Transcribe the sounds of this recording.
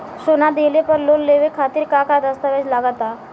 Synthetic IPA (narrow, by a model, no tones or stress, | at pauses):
sonad̪elepəɾlonleʋekʰat̪iːɾkakad̪əst̪əʋed͡ʑlaɡət̪a